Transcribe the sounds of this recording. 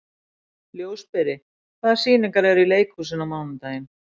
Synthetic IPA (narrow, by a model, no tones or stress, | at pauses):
ljoːwspɛɾɪ | kθvaðsiːnɪŋkaɾɛɾileːjkusɪnːamawnʏnt̪ajɪm